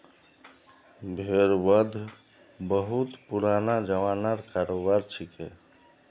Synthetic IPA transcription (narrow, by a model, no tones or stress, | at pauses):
bʱeɾʋəd̪ʱ | bəɦut̪puɾaːnad͡ʒəʋaːnaɾkaɾobaɾt͡ʃʰike